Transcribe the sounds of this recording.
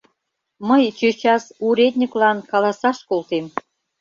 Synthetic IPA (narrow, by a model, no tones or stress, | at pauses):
məjt͡ɕøt͡ɕɑsuɾʲed̪ʲnʲiklɑnkɑlɑsɑʃkolt̪em